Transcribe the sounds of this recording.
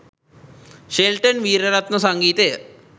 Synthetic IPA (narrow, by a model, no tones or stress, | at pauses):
ʃelʈənʋiːɾɐɾat̪nəsɐŋɡiːt̪ejə